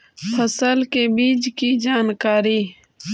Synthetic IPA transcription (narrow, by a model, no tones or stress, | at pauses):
pʰəsəlkebiːd͡ʒkiːd͡ʒaːnkaːɾiː